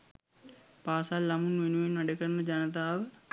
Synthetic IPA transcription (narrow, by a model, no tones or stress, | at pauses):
paːsalːɐmunʋenuʋenʋɐɖekəɾnəd͡ʒɐnət̪̬aːʋə